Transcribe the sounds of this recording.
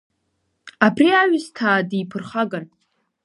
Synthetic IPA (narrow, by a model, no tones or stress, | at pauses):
abriaɥʊztʰaːdipʰɨrχaɡan